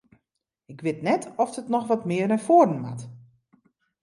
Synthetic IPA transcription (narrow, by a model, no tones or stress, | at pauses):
ɪkʋɪtnɛtɔfətnɔxʋɔtmɪːərnɛfoərdən̩ma̰t